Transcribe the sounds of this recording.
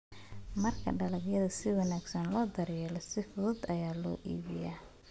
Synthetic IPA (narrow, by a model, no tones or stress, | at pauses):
mɐrkʰɐ̰ɖɐlɐɡjɐðɐsɪwɐnaːɡsɐnlɔːd̪ɐɾjɛːlɔsɪfʊðʊd̪ɐjaːlɔ̰ːʔḭːβɪja